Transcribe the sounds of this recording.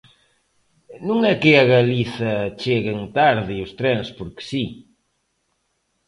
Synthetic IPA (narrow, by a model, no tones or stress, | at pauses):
nũŋɛkɪaɣaliθɐt͡ʃeɣeŋt̪aɾðiost̪ɾɛnspoɾke̥si